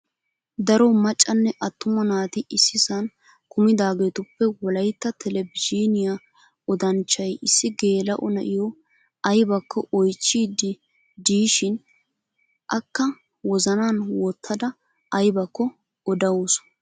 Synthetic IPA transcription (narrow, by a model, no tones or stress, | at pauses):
d̪ɐɾɔmɐt͡ʃʼːɐnːɛʔɐt̪ːʊmɐnaːt̪ɪʔɪsːɪsɐn | kʊmɪd̪aːɡeːt̪ʊpːɛwɔlɐjt̪ːɐt̪ʰɛlɛbɪd͡ʒinɪja | ɔd̪ɐnt͡ʃːɐjɪsːɪɡe̞ːlɐʔɔnɐʔɪjɔ | ɐjbɐkʰːɔʔɔjt͡ʃːiːd̪ɪ | d̪iːʃɪn | ʔɐkːɐ | wɔzɐnaːnwɔt̪ʰːɐd̪ɐ | ɐjbɐkːɔ | ɔd̪ɐwɔs